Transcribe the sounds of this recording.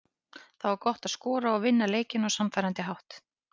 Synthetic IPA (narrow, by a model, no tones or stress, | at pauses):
θawvaɾkɔht̪aðskɔːɾaɔɣvɪnːaleːjcɪnɔwsamfɛjɾant̪ɪɦawht̪